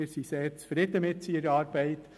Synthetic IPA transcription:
ɪɾsisɛːt͡sfɾɪdəmɪt̪siɾəɑːɾb̥ɛɪt̪

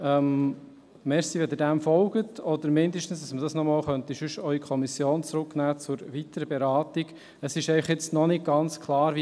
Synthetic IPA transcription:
ɛm | mɛɾsiʋɛd̪əɾdæmfɔlɡətʰɔd̪əɾmɪnd̪əʃtən̩sd̥ɑsməd̥ɑsnɔmɑːlχœntiʃʏʃɔikʰɔmisjoːnt͡sɾʊknæːt͡sʊɾʋit̪əɾəbeɾɑːtiɡ | əsɪʃɛɪfχjɛt͡stnɔnɪk̚ɡ̥ɑnt͡skʰlˠɑːɾʋ

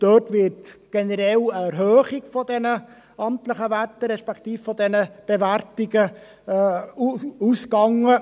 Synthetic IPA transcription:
d̥øtʋɪɾtɡ̥ɛnəɾɛləɛɾɦøːχɪɡ̥fɔdɛnə | ɑmt̪ləχəvætəɾɛʃpɛkt̪iːffɔdɛnəb̥evæɾtɪɡə | uskɑŋə

